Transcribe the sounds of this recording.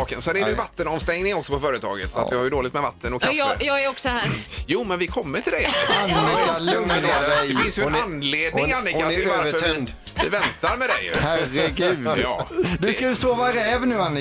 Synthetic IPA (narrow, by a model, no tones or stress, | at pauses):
ɑːkənsɛnæɖdɛjvat̪ːənɔmst̪ɛŋnɪŋɔksɔpʰɔfœːɾət̪ʰɑ̰ːɡət̪sɔa̰t̪vɪhaɾjʉd̪oːlɪt̪mɛva̰t̪ːənɔkʰːɾjɑːæɾɔksɔhæːɾjuːmɛnvɪkʰɔmːəʈʰɪld̪ɛanɪalɵŋnad̪ɛjdɛfɪnsjɵɛnanleːd̪ɪŋanːɪkat̪ʰɪlvaɾfœɾ | ɪvɛnt̪aɾmɛd̪ɛ̰j̰hærəɡʉːjɑ̰ːd̪ɵkad̪ʉsoːvaɾɛːvnʉːanːɪ